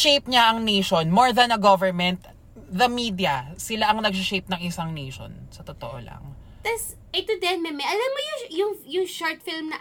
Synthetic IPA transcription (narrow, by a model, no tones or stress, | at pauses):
ʃejp̚ɲaʔɐŋnejʃonmoɹðɐnɐɡovɛɹmɛnt̪̚ | ðɐmiːd̪ijɐsɪlaʔɐŋnɐɡ̚sɪʃejp̚nɐŋʔɪsaŋnejʃo̰nsɐt̪ot̪oʔo̰lɐ̰ŋ | t̪ɐs | ʔɛt̪ʊd̪ɛnmɛmɛʔɐlɐmkojʊjʊŋjʊŋʃoɹt̪fɪlmnɐ